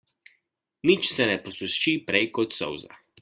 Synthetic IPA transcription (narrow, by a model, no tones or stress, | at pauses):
nit͡ʃsɛnɛpɔsust͡ʃipɾɛjkɔt̪sɔ̰wza̰